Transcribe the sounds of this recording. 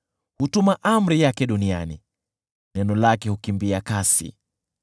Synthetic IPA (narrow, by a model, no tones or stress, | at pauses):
hutumaʔam̩ɾijakɛɗunia̰nḭ | nɛnɔlakɛhukimbiakasḭ